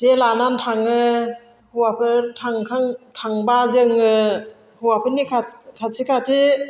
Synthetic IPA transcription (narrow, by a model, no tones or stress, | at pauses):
telanantʰaŋɯ | huwapʰɯtʰaŋkʰaŋtʰaŋbazɯŋɯ | huwapʰɯnikʰakʰatikʰati